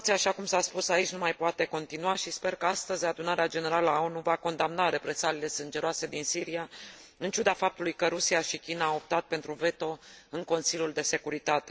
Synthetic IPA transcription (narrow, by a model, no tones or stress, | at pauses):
t̪siaʃakumsaspusait͡ʃʲnumajpoat̪e̞ko̞nt̪inuaʃispe̞rkəast̪əzʲad̪unaɾead͡ʒe̞ne̞ɾaləonuvako̞nd̪amnaɾe̞pɾe̞salile̞sɨnd͡ʒe̞ɾoase̞d̪insiɾiaɨnt͡ʃud̪afap̚t̪ulujkəɾusiaʃikʲinaːop̚t̪at̪̚pe̞nt̪ɾuve̞t̪o̞ɨŋko̞nsilʲjuld̪e̞se̞kuɾit̪at̪e̞̥